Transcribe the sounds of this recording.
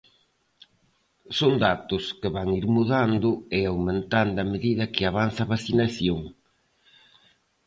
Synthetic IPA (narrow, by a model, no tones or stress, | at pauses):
sond̪at̪ʊskeβaŋiɾmuðand̪ʊeawmẽnt̪and̪ɐmeðiðɐkɪaβ̞anθɐaːβaθinaθjoŋ